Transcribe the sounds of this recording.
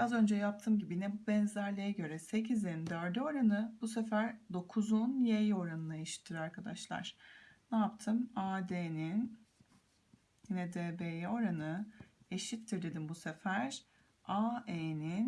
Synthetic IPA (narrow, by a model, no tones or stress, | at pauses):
bazø̞nd͡ʒɛjap̚t̪ʰɯːmɟibinɛbubɛnzæɾlʲejɛɟø̞ɾɛse̞cʰizeɾind̪œɾd̪io̞ɾanɯbusefæɾd̪o̞kʰuzunjejo̞ɾanɯnaeʃi̥t̪ʰːiɾaɾkʰad̪aʃlˠa̰ɾ̥naapt̪ʰɯmad̪eːnin | jinɛd̪eːbejo̞ɾanɯe̞ʃit̪ʰːiɾd̪e̞d̪imbuse̞fæɾ̥ | aenin